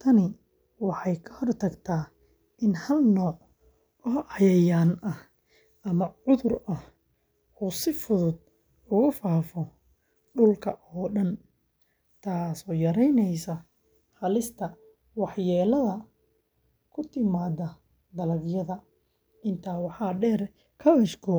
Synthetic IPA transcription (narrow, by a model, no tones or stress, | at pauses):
t̪ʰɐnɪ | wɑħɑjkʰɐhɔrt̪ʰɐɡt̪ʰaː | ʔɪnhɐlnɔːʕ | ɔɦɑjɐjaːnɐh | ʔɐmɐʕʊðʊrʔɐh | uːsɪfʊðʊd̪̚ | ʊɣʊfaːfɔ | ɖʊlkʰɐʔɔːɗɐn | t̪ʰaːsɔːjɐɾɛjnɛjsɐ | χɐlɪst̪ʰɐ | wɑħjɛːlɐðɐ | kʰʊt̪ʰɪmaːd̪ɐ | d̪ɐlɐɡjɐðɐ | ʔɪnt̪ʰaːwɑħɑːɖɛːr | kʰɐβɛʃkʰʊ